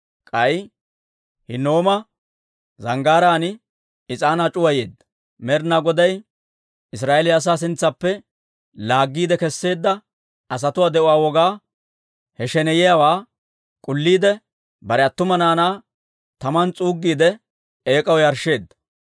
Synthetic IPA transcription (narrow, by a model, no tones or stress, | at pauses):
kʼɐj | hɪno̞ːmɐ | zɐŋɡaːɾaːnɪ | ɪt͡sʼaːnat͡ʃʼʊwɐjḛːd̪ːɐ̥ | mɛɾnaːɡɔd̪ɐj | ɪs̬ɾaːʔelɪjɐs̬aːs̬ɪnt͡sːɐpːɛ | laːɡːiːd̪ɛkɛsːe̞ːd̪ːɐ | ɐs̬ɐt̪ʊwaːd̪ɛʔʊaːwɔɡaː | hɛʃɛnɛjɪjawaː | kʼʊlːiːd̪ɛ | bɐɾɛɐt̪ːʊmɐnaːnaː | t̪ɐmɐnt͡sʼuːɡːiːd̪ɛ | eːkʼɐwjɐɾʃe̞ːd̪ːɐ̥